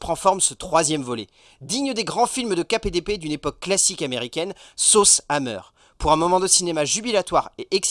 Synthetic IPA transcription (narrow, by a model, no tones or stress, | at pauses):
pχɑ̃fɔʁmsət̪χwazjɛmvɔlɛ̰ | d̪iɲəd̪eɡʁɑ̃filmd̪əkaped̪eped̪ynepɔkːlasikameʁikʲɛnsosamœ̰ːʁ | puʁɛ̃mɔmɑ̃d̪əsinemaʒybilat̪waːʁeʔɛks